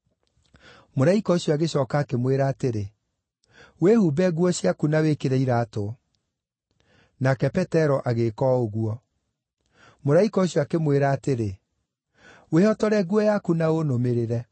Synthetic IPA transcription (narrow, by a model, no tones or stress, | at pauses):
moɾaikɔoɕjɔaɣeɕɔːkaːkemweɾaːteɾe | wehubɛɣwɔɕjakunawekeɾɛiɾaːto | nakɛpɛtɛɾɔʔaɣekɔoɣuɔ | moɾaikɔoɕjɔakemweɾaːteɾe | wehɔtɔɾɛɣwɔjakunaonomeɾeɾɛ